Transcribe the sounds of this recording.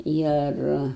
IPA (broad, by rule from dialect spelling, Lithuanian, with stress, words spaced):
ˈɪr